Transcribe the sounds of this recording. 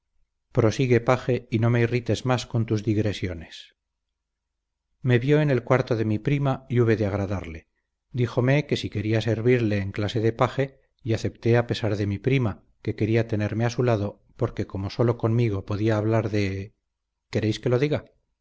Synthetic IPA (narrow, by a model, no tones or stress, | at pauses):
pɾo̞siɣe̞paxe̞ino̞meirit̪e̞zmasko̞nt̪uzðiɣɾe̞sjo̞ne̞s | me̞βjo̞ene̞lkwaɾt̪oðe̞mipɾimaiuβe̞ðeaɣɾaðaɾle̞ | d̪ixo̞me̞ke̞sike̞ɾiase̞ɾβiɾle̞ːŋklase̞ðe̞paxe̞ | iaθe̞p̚t̪e̞ape̞saɾðe̞mipɾima | ke̞ke̞ɾiat̪e̞ne̞ɾme̞asulaðo̞ | po̞ɾke̞ko̞mo̞so̞lo̞ko̞nmiɣo̞po̞ðiaːβ̞laɾðe̞ | ke̞ɾejske̞lo̞ðiɣa